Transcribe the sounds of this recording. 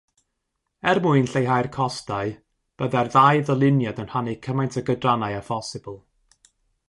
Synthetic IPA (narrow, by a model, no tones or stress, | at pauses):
ɛrmʊɨnɬejɦajrkʰɔstaɨ | b̥əðarðajðəlˠɪnjadənhanikʰəmajntʰəɡədranajafɔsɪbəlˠ